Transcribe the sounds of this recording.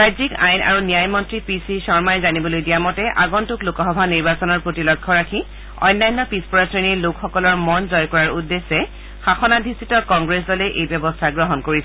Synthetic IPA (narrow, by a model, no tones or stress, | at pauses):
ɹajzika̰jna̰ɹunijajmɔntɹipisisɔɹmajzanibɔlojdijamɔtɛʔa̰ɡɔntuklokɔxɔbʱaniɹbasɔnɔɹpɹotilɔkʰːɔɹakʰi | ɔ̰jnːajnːɔpispɔɹasɹinilokxɔkɔlɔɹmɔnzɔjkɔɹaɹudːesːɛ | xaxɔnadʱisitɔkɔŋɡɹes̬dɔleʔejbjɔbɔstʰaɡɹɔɦɔnkoɹisɛ